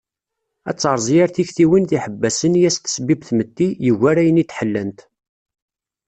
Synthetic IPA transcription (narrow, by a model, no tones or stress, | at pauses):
æ̰t͡sːɑɾˤzˤjæɾθiçθiwinθiħəbːæsənjæst̪ə̥sbibθmət̪ːijəʝːæɾæjənit̪ːħəlːənt̪